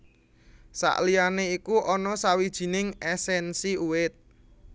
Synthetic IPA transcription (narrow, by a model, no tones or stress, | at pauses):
sa̰ʔlianeikuʔɔnɔsawid̥ʒ̥i̤nɪŋɛsɛnsiuwɪt̪̚